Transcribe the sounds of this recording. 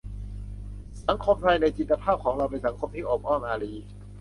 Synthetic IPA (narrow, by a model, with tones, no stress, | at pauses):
sa˩˦ŋkʰo˧mt̪ʰa˧jna˧jt͡ɕi˧t̪ːa˧pʰaː˥˩p̚kʰɔː˩˦ŋɾa˧wpe˧nsa˩˦ŋkʰo˧mt̪ʰiː˥˩ʔɔː˨˩p̚ʔɔː˥˩nʔaː˧ɾiː˧